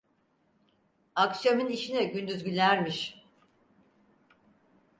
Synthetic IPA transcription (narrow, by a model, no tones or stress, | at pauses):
aksijomyniʃinɛɟynd̪yzɟylʲæɾmiʃ